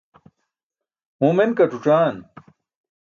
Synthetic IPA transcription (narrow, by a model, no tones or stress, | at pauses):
mumenkɐʈ͡ʂuʈ͡ʂaːn